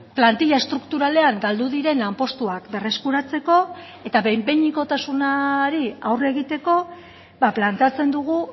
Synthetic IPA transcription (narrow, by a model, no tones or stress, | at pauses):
plant̪iʎae̞st̪ɾukt̪uɾale̞aŋɡald̪uðiɾe̞nlampo̞st̪uakbe̞re̞skuɾat͡se̞ko̞ | e̞t̪aβejmbe̞ɲiko̞t̪asunaɾiawre̞ɣit̪e̞ko̞ | baplant̪e̞at͡se̞nd̪uɣ̞u